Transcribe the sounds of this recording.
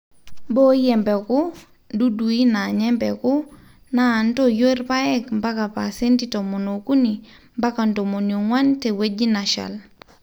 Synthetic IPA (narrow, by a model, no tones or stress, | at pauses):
bojɛmbeku | duduinaɲɛmbeku | nantojoiɾpaɛkmbakapa̰senditomonokuni | mbakandomonioŋwantewed͡ʒinaʃa̰l